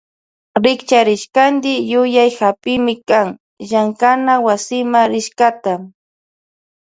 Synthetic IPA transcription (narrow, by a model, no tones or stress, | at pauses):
ɾɪkt͡ʃaɾɪʃkand̪ɪjʊjajhapɪmɪkaŋ | ʒaŋkanawasɪmaɾɪʃkat̪a